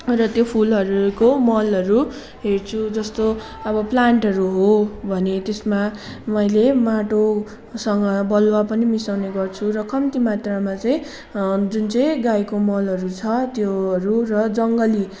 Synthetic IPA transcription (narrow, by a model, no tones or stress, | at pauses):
rʌt̪jopʰulʌɾukomʌlʌɾu | ɦert͡sʰud͡zʌst̪o | ʌbʌplaɳʈɦʌɾuɦobʱʌnet̪esma | mʌjlemaʈo | sʌŋɡʌbʌlwapʌnimisawneɡʌrt͡sʰurʌkʌmt̪imat̪ramat͡sʌj̃ | d͡zunt͡sʌj̃ɡajkomʌlɦʌɾut͡sʰʌt̪joɦʌɾurʌd͡zʌŋɡʌli